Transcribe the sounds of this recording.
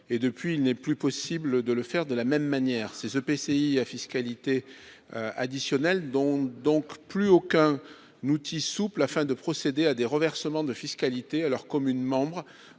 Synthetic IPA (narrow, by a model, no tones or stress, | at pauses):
ed̪əpɥiːlnɛplypɔsibləd̪ələfɛʁd̪əlamɛmːanjɛʁsezøpeseiafiskalit̪e | a̰d̪isjɔnɛld̪ɔ̃d̪ɔ̃kplyokɛ̃ | nut̪ʰisuplafɛ̃d̪əpχɔsed̪ead̪eʁəvɛʁsəmɑ̃d̪əfiskalit̪ealœʁkɔmynmɑ̃bʁ